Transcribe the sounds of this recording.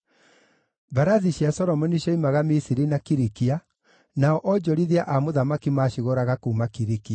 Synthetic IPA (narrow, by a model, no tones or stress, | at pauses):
baɾaðiɕiasɔɾɔmɔniɕɔimaɣamisiɾinakiɾikia | naɔʔɔd͡ʒɔɾiðeaʔamoðamakimaːɕiɣɔɾaɣakuːmakiɾikia